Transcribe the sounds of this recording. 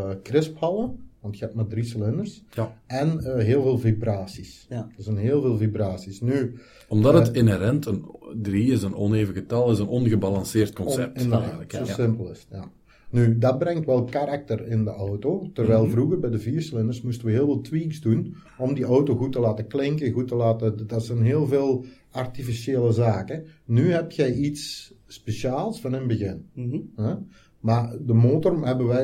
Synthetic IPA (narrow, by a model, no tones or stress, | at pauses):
krɪsphɑlˠəʋɑntxəɛptmadrisəlɪnərsɛnəɦeːlˠveːlˠvibraːsisdəzɛnɦeːlˠveːlˠvibraːsisny | ɔmdɑtətɪnɛɾɛntəndriɪsənɔ̰neːvəɣətɑlˠɪsənɔnɣəbɑlɑnsɪːrtkɔnsɛp̚ɪnədatosɪmpəlˠɪsja | nydɑt̚brɛŋtʋɛlˠkaɾak̚tərɪndəʔɔwtotərʋɛjlˠvruɣərbɛjdəviːrslɪnərsmustəʋəɦɪːlˠvɪːlˠtʋiːkzdun | ɔmdiʔɔwtoɣutəlaːtəklɪŋkəɣutəlaːtədɑtsɛnɦeːlˠveːlˠ | artifiseːləzaːkənyɦɛp̚txɛjitsː | peʃaːlˠsfɑnɪnbəɣɪnɛ | maːdəmoːtɔrmɦɛbəʋɛj